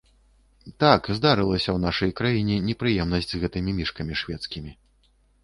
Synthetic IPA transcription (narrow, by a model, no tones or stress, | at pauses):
t̪akzd̪aɾɨlˠɐsʲɐwnaʂɐjkɾajinʲɛnʲɛpɾɨjɛmnɐsʲd͡zʲzɣɛt̪ɨmʲimʲiʂkɐmʲiʂvʲɛt̪skʲimʲi